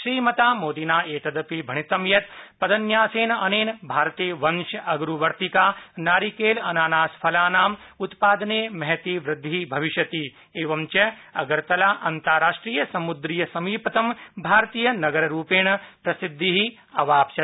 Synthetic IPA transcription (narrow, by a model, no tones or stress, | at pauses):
ʃɾiːmɐt̪aːmoːd̪inaːeːt̪ɐd̪ɐpibʱɐɳit̪ɐmjɐt̪pɐd̪ɐnjaːseːnɐneːnbʱaːɾt̪eːʋɐnʃɐʔɐɡɾuʋɐɾt̪ikaːnaːɾikeːlɐnaːnaːspʰɐlaːnaːm | ut̪paːd̪ɐneːmɐɦt̪iːʋɾɪd̪ʱːibʱɐʋiʃjɐt̪i | eːʋɐmt͡ʃɐɐɡɐɾt̪ɐlaːʔɐnt̪aːɾaːʂʈɾiːjɐsɐmud̪ɾijɐsɐmiːpɐt̪ɐmbʱaːɾt̪iːjɐnɐɡɐɾɐɾuːpeːɳɐpɾɐsid̪ʱːiɦi | ɐʋaːpʃɐ